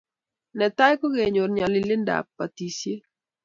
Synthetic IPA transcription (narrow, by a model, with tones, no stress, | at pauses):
nɛ˨ta˦jko˦ɣe˨ɲo˨ɾɲa˨lɪ˨lɪ˦nda̰˨pːa˨ti˨sje˦